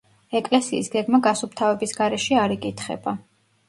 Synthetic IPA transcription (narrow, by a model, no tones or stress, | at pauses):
ɛkʼlɛsiːsɡɛɡmaɡasup̚t̪ʰavɛbisɡaɾɛʃɛaɾɛkʼit̪ʰχɛ̰b̥a